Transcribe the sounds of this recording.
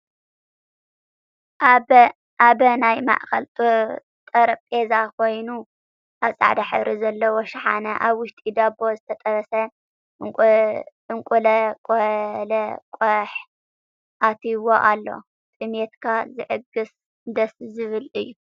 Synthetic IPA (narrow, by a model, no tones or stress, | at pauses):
aβɐnajma̰ʔkɐlt̪ʼo | t̪ʼɐɾɐpʼezakʰo̞jnu | ʔaβsʼa̰ʕd̪aħɨ̰βɾʔizɐlːɐwoʃħa̰nɐ̰ʔaβwʊʃt̪ʼid̪abo̞zɨt̪ʰɐt̪ʼɐβɐsɐ | ɨŋkʼulɐkʼolɐkʷʼɐħ | ʔat̪ʰiwoʔalːo̞̰ | t̪ʼɨmet̪kʰazɨʕɨɡɨs | nd̪ɐszɨβɨlɨjːu